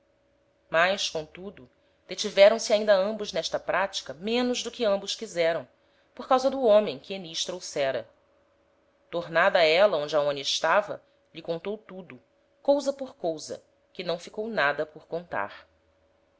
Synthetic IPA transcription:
majʃkõt̪ud̪ʊ | d̪̥et͡ʃivɛɾɐ̃w̃sɪaĩnd̪ɐɐ̃mbʊznɛʃt̪ɐpɾat͡ʃi̥kɐmẽnʊʒd̪ʊkɪɐ̃mbʊʃkizɛɾɐ̃w̃ | poɾkawzɐd̪ʊõmẽj̃kɪeniʃt̪ɾowsɛɾɐ̰ | t̪oɾnad̪ɐɛlɐõd͡ʒɪɐõnɪːʃt̪avɐ̰ | ʎɪkõnt̪owt̪ud̪ʊ | kowzɐpoɾkowzɐ̰ | kɪnɐ̃w̃fikownad̪ɐpoɾkõnt̪a̰χ

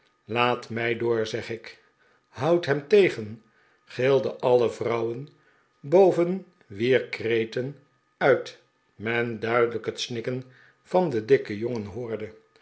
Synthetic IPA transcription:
laːtmɛjdʊːɹzɛχɪk | ɦʌwtɦɛmtejχən | χeːlˠdəʔɑləvrʌwən | bowvən | ʋiːɹkrejtən | œɥt | mɛndœɥdələkɦətsnɪkən | v̥ɑndədɪkəjoŋənɦʊːɹdə

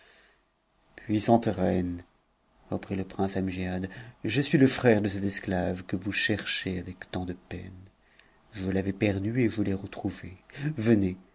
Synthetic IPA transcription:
pɥisɑ̃t̪ʁɛn | ʁəpχiləpχɛ̃samʒjad̪ʒəsɥiləfχɛʁd̪əsɛt̪ɛsklavkəvuʃɛʁʃeavɛkt̪ɑ̃d̪əpɛ̰n | ʒulavepɛʁd̪yeʒuleʁət̪χuvevəne

